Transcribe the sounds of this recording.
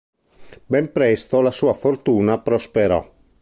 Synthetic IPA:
bɛmpɾɛst̪olasuːafort̪uːnapɾospeɾɔ̰

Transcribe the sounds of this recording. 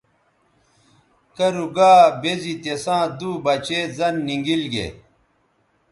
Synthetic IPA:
kɐɾuɡaːbezit̪esãːd̪uːbɐt͡ɕezɐnːiŋɡilɡḛ

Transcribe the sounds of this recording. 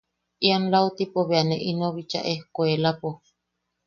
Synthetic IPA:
ianlaut̪ipoβeaneʔinoβit͡ʃa̰ʔehkoelapo

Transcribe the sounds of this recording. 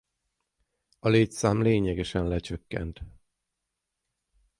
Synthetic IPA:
ɒleːtsaːmleːɲɛɡɛʃɛnlɛt͡ʃøkːɛ̰nt̪

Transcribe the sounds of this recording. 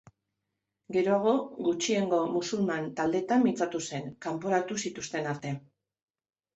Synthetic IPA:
ɡe̞ɾoaɣ̞o̞ɡut͡ʃie̞ŋɡo̞musulmant̪ald̪e̞t̪amːit͡sat̪use̞ŋkampo̞ɾat̪usit̪ust̪e̞naɾt̪e̞

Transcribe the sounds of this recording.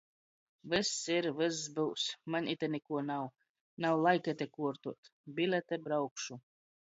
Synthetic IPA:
vɨsːiɾvɨsːbɨwsmanʲit̪ʲɛnikuɔnaw | nawlˠajkʲɛt̪ɛkuɔɾt̪uɔt̪bʲilʲɛt̪ʲɛbɾawkʃu

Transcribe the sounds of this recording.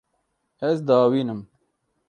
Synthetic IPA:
ɛzd̪ɑːwiːnɨm

